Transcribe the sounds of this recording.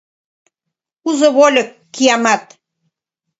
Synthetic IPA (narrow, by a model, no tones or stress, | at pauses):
uzoβolʲə̆kːijɑmɑt̪